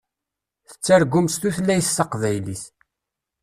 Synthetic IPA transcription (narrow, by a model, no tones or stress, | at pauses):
θə̥t͡sːæɾɡʊmst̪uθlːæjθːɑqvæjliθ